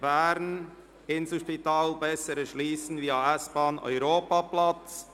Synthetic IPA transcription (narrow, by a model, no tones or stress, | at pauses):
bɛːɾn | ɪnsl̩ʃpitaːlbɛsəɾəʃliːsn̩viːɑɛsb̥ɑːnɔ̰ʏɾoːpaplat͡s